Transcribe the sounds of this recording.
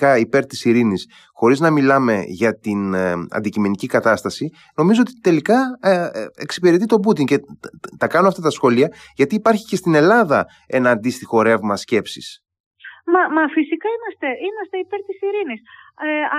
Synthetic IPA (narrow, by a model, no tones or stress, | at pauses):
ɐipe̞ɾt̪isiɾinis | xo̞ɾiznɐmilɐme̞̰ʝɐt̪inɐ̰nd̪icime̞nicikɐt̪ɐst̪ɐsi | no̞mizo̞ot̪it̪e̞likɐ | eksi̥peɾet̪̬it̪o̞but̪iɲce̞t̪ɐkɐnoɐft̪ɐt̪ɐsxo̞liɐ | ʝɐt̪iːpɐɾçicest̪ine̞lɐðɐ | e̞nɐːnd̪ist̪ixo̞ɾe̞vmɐsce̞psḭs | mɐmɐfisikɐimɐst̪e̞imɐst̪eipe̞ɾt̪isiɾinis | e